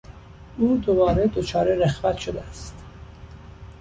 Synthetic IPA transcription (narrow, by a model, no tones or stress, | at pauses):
ʔuːd̪o̞bɒːɾed̪o̞t͡ʃʰɒːɾeɾexvæt̪ʃod̪eæst̪